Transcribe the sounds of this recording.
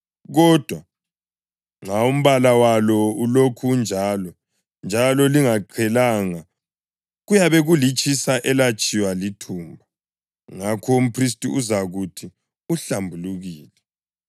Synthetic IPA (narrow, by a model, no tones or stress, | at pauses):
ɣɔd̥ʱwa | ŋaum̩βalawalɔulokʰund͡ʒʱaːlɔ | nd͡ʒʱalɔliŋaǃʰɛlaŋa | ɣujaβɛɣulit͡ʃʼisaʔɛlat͡ʃʼiwalitʰuːmbʱa | ŋakʰɔum̩pʰris̬tʼiuzaɣutʰi | uɬambʱuluɣiːlɛ